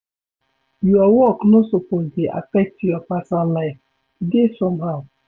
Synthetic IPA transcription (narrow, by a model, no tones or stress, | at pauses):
jɔwɔknʊsʊpod͡ʒeʔa̰pɛtiɔpasanlajf | desɔmɦaʊ